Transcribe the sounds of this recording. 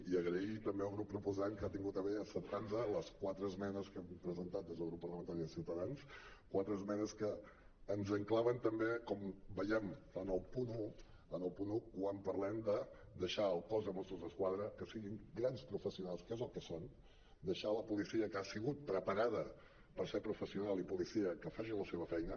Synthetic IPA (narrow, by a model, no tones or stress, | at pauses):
iəɣɾəit̪əmbeəlˠɣɾupːɾupuzaŋkat̪iŋɡut̪əβeəsənt̪anzələskwat̪ɾəzmɛnəskɛmpɾəzənt̪at̪̚d̪ezðəɣɾupːərlˠəmənt̪aɾiðəsiwt̪əðans | kwat̪ɾəzmɛnəskəː | nzəŋklaβənt̪əmbekɔmbəjɛmənəlˠpunu | ənəlˠpunukwampəɾlɛmd̪ə | d̪əʃaəlˠkɔzðəmɔst̪ɾuzðəskwaðɾəkəsiɣiŋɡɾanspɾufəsiunalˠskɛzəlˠkəson | d̪əʃaləpulisiəkasiɣut̪̚pɾəpəɾaðə | pəɾsepɾufəsiunalˠipulisiəkəfaʒiləseβ̞əfɛjnə